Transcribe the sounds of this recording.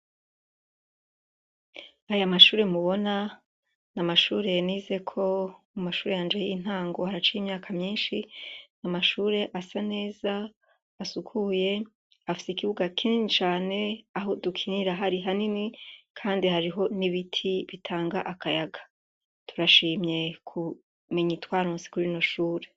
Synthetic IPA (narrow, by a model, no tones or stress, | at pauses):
ajamaʃuːɾe̞muβo̞na | namaʃuːɾe̞niːze̞kʰo̞mumaʃuːɾe̞jaːnd͡ʒejin̥haːŋɡo̞haɾat͡ʃiimɲaːkʰamɲiːnʃinamaʃuːɾe̞ʔasane̞ːzaː | sukʰuje̞ | afi̥seikiβuɡakʰininit͡ʃaːne̞aɦo̞dukʰiniɾaɦaɾiɦaninikʰaːndihaɾiɦo̞niβitʰiβitʰaːŋɡaʔakajaɡḁ | tʰuɾaʃiːmɲe̞kʰu | me̞ɲitwaːɾoːnse̥kuɾino̞ʃuːɾe̞